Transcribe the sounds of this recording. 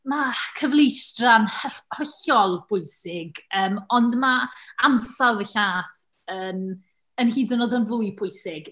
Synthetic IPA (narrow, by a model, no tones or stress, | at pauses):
makʰəvlˠijstranhəhɔɬɔlˠb̥ʰʊɨsɪɡəːmɔndmaamsalˠðəɬaːθ | əm | ənhiːdənɔdɔnvuɨpʰʊɨsɪɡ̥